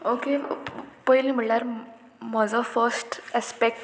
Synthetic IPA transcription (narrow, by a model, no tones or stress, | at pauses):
okepəilĩm̤iɭlaɾ | məd͡zəfəɾsʈɛspek̚ʈ